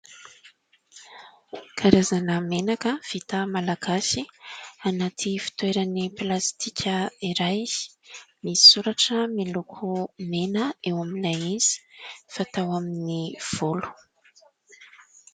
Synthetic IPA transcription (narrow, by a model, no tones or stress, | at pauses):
kʰaɾazanəmenakəv̥it̪amalaɡasianat̪ʰifi̥t̪weɾaniplast̪ikʲʰəiɾaj | mi̥suɾaʈ͡ʂəmilukʰumenəewaminajiz̥i̥fat̪awaminiv̥olu̥